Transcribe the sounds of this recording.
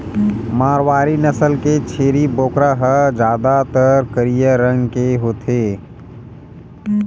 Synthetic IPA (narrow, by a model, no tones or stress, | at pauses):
maːɾwaːɾinəsəlket͡ʃʰeːɾiboːkɾaɦəd͡ʒjaːd̪at̪əɾkəɾijəɾə̃ŋɡkeɦoːt̪ʰeː